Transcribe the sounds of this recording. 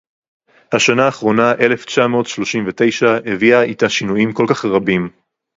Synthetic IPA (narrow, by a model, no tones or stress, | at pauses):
haʃanaːχʁo̞naʔe̞le̞ft͡ʃamo̞ːtʃlo̞ʃimvete̞jʃaeviaitaʃinujimko̞lkaχʁabim